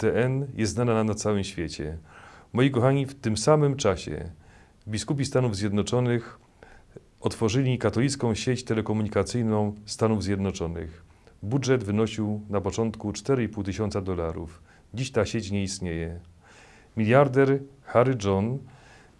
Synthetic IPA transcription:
t̪ɛʔɛnjʔɛsnanananat̪sawɘmɕfʲjet͡ɕɛ̰mɔjikɔxaɲift̪ɘmsamɘmt͡ʂaɕɛ̰ | vbʲiskupʲist̪anuvzʲjɛd̪nɔt͡ʂɔnɘx | ʔɔt̪fɔʐɘlʲikat̪ɔlʲit̪skɔ̃w̃ɕet͡ɕt̪ɛlɛkɔmuɲikat̪sɘjnɔ̃w̃st̪anuvzʲjɛd̪nɔt͡ʂɔnɘ̰x | budʐɛd̪vɘnɔɕiwnapɔt͡ʂɔnt̪kut͡ʂt̪ɛɾɘipuwt̪ɘɕɔnt̪sad̪ɔlaɾṵf | d͡ʑiɕt̪aɕet͡ɕɲɛist̪ɲejɛ | mʲilʲjaɾd̪ɛɾ | xaɾɘd͡zɔn

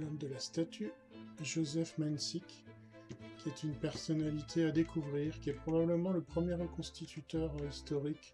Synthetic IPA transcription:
lɔmd̪əlast̪at̪ʰy | ʒozɛfmansik | kʲːiɛt̪ynpɛʁsɔnalit̪ʰead̪ekʰuvʁiʁkʲiɛpχɔbabləmɑ̃ləpχəmjeʁəkɔ̃st̪it̪ʰyt̪œʁist̪ɔʁik

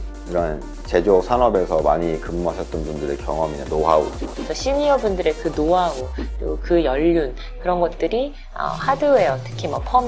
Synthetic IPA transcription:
iɾʌn | t͡ɕe̞d͡ʑosʰanʌbe̞sʰʌmaɲikɯmuɦaɕʰʌt̚t͈ʌnpundɯɾekjʌŋʌminenoɦao̰d͡ʑot͡ɕʰʌɕʰimiʌbundɯɾekɯnoɦaɦaɡokɯɾiɡokɯjʌʎːun | kɯɾʌnɡʌt̚t͈ɯɾi | ʌ̰hadɯejʌtʰɯ̥kʰimapʰʌm

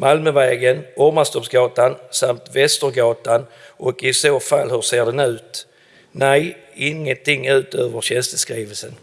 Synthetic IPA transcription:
malmœvɛːɡənʔɔɾmast̪ɔpsɡɑːt̪ansamt̪vɛst̪əɾɡɑːt̪anʔɔkɪsoːfalhɵseːɖɛnʉ̟ːt̪ | næj | ɪŋːənt̪ʰɪŋːʉ̟ːt̪øːvəɾɕɛnst̪əskɾiːvəlsən

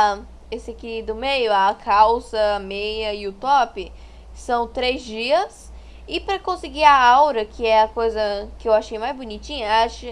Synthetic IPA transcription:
esɪakid̪ʊmejʊakʰawsɐamejɐɪʊt̪ɔpɪ | sɐ̃w̃t̪ɾejzd͡ʒiɐs | ɪpɾɐkõsɪɡiɾɐawɾɐkʰɪɛɐkojzɐkɪewaʃejmajzbonit͡ʃĩɲɐaʃɪ

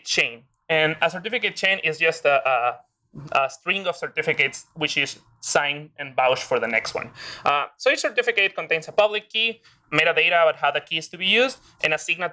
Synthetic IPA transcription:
t͡ʃẽɪ̃n | ɨ̃nəsə˞t̪ɪfiket̚t͡ʃẽɪ̃nʔɪzd͡ʒʌst̪aʔ | əst̪ɾĩŋɡɔv̥səɹt̪ɪfɪketswɪt͡ʃɪz | sãɪ̃nɨ̃nbawʃfə˞ðənɛkst̚wʌ̰̃nʌsoit͡ʃsəɹt̪ɪfiket̪̚kõnt̪ẽɪ̃nsapʌβlikːi | meɪɾaðejɾabat̪hawðəkʰist̪ubijuzd̪ | ʔɨ̃nasiɡna

